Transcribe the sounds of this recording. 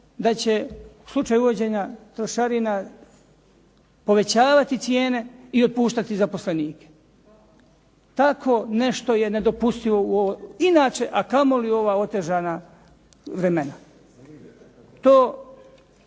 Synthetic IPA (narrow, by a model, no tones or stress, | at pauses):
d̪at͡ɕe̞uslˠut͡ʃaːjuʋo̞d͡ʑe̞ːɲat̪ɾoʃaɾina | po̞ʋe̞t͡ɕaːʋat̪it̪sje̞ːne̞io̞d̪̚puːʃt̪at̪izapo̞sle̞niːke̥ | t̪akʰo̞ne̞ʃt̪o̞je̞ne̞d̪o̞pust̪iʋo̞uoinaːt͡ʃe̞ʔakamo̞lio̞ʋaːo̞t̪e̞ʒaːna | ʋɾe̞me̞na | t̪oː